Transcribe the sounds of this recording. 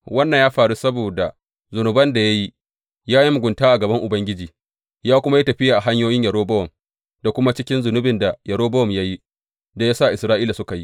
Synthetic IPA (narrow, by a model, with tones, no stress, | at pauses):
wɐ˦nːɐ˨ɲjaː˦ɸaː˨ɽu˦sɐ˦boː˨da˨ | zʊ˨nʊ˨bɐ˦nda˨ja˦ji˦ | jaː˦ji˦mʊ˨ɡʷʊ˨ntaː˦ʔa˨ɡɐ˨bɐ˦ŋʔʊ˨bɐ˦ŋɡʲɪ˦d͡ʒiː˨ | jaː˦kʷʊ˦ma˦ji˦tɐ˨ɸɪ˦jaː˨ʔa˨ɦa˦ɲjoː˦jɪ˦ɲjɐ˨ɾoː˦bɐ˦wɔ˨m | da˨kʷʊ˦ma˦t͡ʃɪ˦kʲɪ˦nzʊ˨nʊ˦bɪ˨nda˨jɐ˨ɾoː˦bɐ˦wɔ˨mja˦ji˦ | da˨ja˦sa˦˨ʔɪ˨sɾaː˦ʔiː˦la˨sʊ˦ka˨ji˦